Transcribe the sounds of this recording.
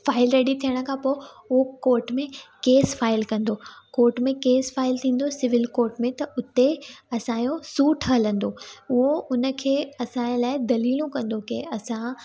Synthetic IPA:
faːɪlɾɛːɽit̪ʰijəɽ̃ə̆kʰãːpoːɪ | ʊɦokoːɾʈmẽkeːsfaːɪlkɐ̃nd̪okoːɾʈmẽkeːsfaːɪlt̪ʰĩːn̆d̪osɪʋɪlkoːɾʈmẽt̪ɐʔʊt̪eɐsãjosuːʈʰɦələ̃nd̪oʊɦoʊnə̆kʰeːɐsãlaːɪd̪ɐliːlũkɐ̃nd̪okḛɐsã

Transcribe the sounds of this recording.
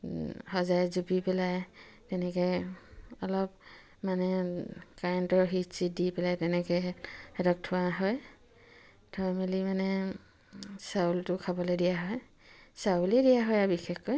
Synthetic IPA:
hɔzajzupipɛlaj | tɛnɛkɔjɔlɔp | manɛkaɹɛntɔɹɦitsidipɛlajtɛnɛkɔjhɛdɔk̚tʰʊwaɦɔj | tʰɔamilimanɛ | sawltʊkʰabɔledijaɦɔj | sauledijaɦɔjabixɛxɔj

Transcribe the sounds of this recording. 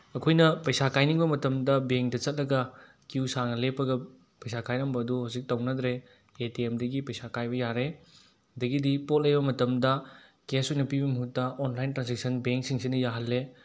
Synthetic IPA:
ɐkʰojnɐpɐjsakajniŋbɐmɐtɐmdɐbeŋk̚dɐt͡ʃɐt̚lɐɡɐ | kiusaŋɐlepɐɡɐ | pɐjsakajnɐmbɐːduhawzik̚tɐwnɐd̪ɾeː | tiemdɐɡipɐjsakajbɐjaɾe | ɐdɐɡidipot̚lɐjbɐmɐtɐmdɐ | kesojnɐpibɐmɐɦutːɐʔonlajntɾansek̚sɐnbeŋk̚siŋsinɐjaɦɐlːe

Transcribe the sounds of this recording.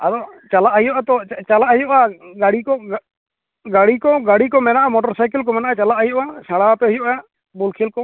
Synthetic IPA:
ad̪ɔt͡ʃalaʔɦijɔʔat̪ɔt͡ʃalaʔɦijɔʔaɡaɽikɔ | ɡaɽikɔɡaɽikɔmɛnaʔamɔʈɔɾsajkɛlk̬ɔmɛnaʔat͡ʃalaʔɦijɔʔasaɽapɛɦujɔʔaʔ | bulkʰilkɔ

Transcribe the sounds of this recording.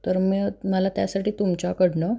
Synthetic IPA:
t̪əɾməməlat̪jasaʈiːt̪umt͡ɕakəɽɳə

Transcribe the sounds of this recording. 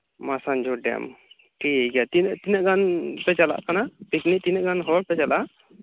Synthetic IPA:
masand͡ʒɔɖɛ̰m | ʈiɡjat̪inʔt̪inaʔɡanpɛt͡ʃala̰ʔkanapikniʔt̪inɛʔɡanɦɔɽ̚pɛt͡ʃalaʔ

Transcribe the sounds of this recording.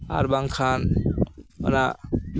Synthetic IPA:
a̰ɾbaŋkʰan | ɔ̰na

